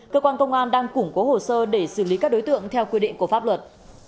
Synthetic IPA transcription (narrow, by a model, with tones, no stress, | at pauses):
kəː˧kwaː˧nkə˧wŋ͡mʔaː˧nɗaː˧ŋkʊ˧˩ŋ͡mko˨˦ho˨˩səː˧ɗe˧˩sɨ˧˩li˨˦kaː˦˥k̚ɗo˨˦jt̪ɨ̰˧˨əŋt̪ʰɛ˧wkwi˧ɗḭ˧˨ŋ̟ku˧˩əfa˦˥p̚lwə˨˩t̚